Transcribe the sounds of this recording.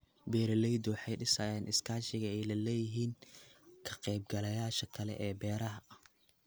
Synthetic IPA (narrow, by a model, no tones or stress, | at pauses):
bɛːɾɐlɛjd̪ɔːħɑjɖɪsɐːjaːnʔɪskʰaːʃɪɣɐɛjlɐlɛːjɪɦiːnkʰɐ̥qɛjb̚ɡɐlɐjaːʃɐkʰɐlɛ̰ʔɛːbɛːɾɐɦɐɐh